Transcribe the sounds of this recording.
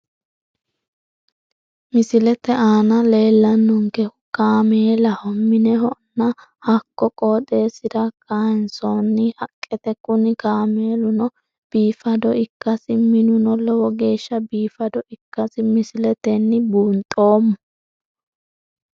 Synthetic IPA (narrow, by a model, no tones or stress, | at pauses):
mɪsɪlɛt̪ɛʔaːnɐle̞ːlːɐnːɔŋkɛ | kaːmeːlɐhɔmːɪnɛɦɔʔnːɐ | hɐkːɔkʼoːd̪e̞ːsɪd̪ɐkʰaːnsɔnːɪhɐkʼːɛt̪ɛkʊnɪkaːmeːlʊnɔ | b̥iːfɐd̪ɔɪkːɐsɪmɪnʊnɔlɔwɔɡe̞ːʃːɐbiːfɐd̪ɔʔɪkːɐsɪmɪsɪlɛt̪ɛnːɪbuːnt̪ʼo̞ːmːʊ